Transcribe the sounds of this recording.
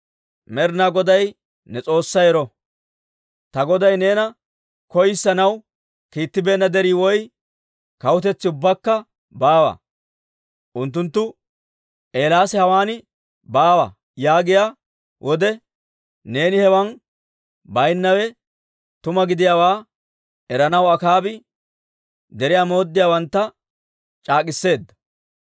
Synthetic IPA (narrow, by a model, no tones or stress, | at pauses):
mɛɾnaːɡɔd̪ɐj | nɛt͡sʼo̞ːsːɐjɛɾɔ | t̪ɐɡɔd̪ɐjne̞ːnɐ | kɔjɪsːɐnɐw | kiːt̪ːɪbe̞ːnːɐd̪ɛɾiːwɔj | kɐwʊt̪̬ɛt͡sːɪʊbːɐkːɐ | baːwɐ̰ | ʔʊnt̪̬ːʊnt̪ːʊ | ʔe̞ːlaːsɛhɐwaːnɪ | baːwɐ̰ | jaːɡɪjaː | wʔɔd̪ɛ | ne̞ːnɪhɛwɐn | bɐjnːɐwɛ | t̪ʊmɐɡɪd̪ɪjaːwaː | ɛɾɐnɐwɐkaːbɪ | d̪ɛɾɪjaːmo̞ːd̪ːɪjaːwɐnt̪ːɐ | t͡ʃʼaːk̬ʼɪsːe̞ːd̪ːɐ̥